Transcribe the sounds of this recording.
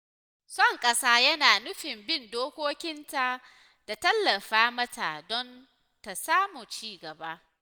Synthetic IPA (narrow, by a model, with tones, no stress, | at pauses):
sɔ˦˨ŋkʼɐ˦saː˦jɐ˦naː˨nʊ˦ɸɪ˨mbɪ˦˨ndoː˦kʷoː˦kʲɪ˦nta˦ | d̥a˨tɐ˦lːɐ˨ɸaː˦mɐ˦ta˨dɔ˦n | ta˨saː˦mu˨t͡ʃiː˦˨ɡɐ˨ba˦ʔ